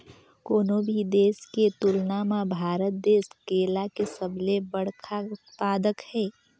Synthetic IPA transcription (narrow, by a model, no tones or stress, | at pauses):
koːnobʱid̪eːsket̪ʊlnamabʱaːɾət̪̚d̪eːskeːlakesəblebəɽ̤kʰa | paːd̪əkhɛː